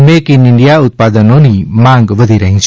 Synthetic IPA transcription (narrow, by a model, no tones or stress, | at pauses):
mekiniɳɖijaut̪̚pad̪ənonimaŋɡʋəd̪ʱiɾaŋs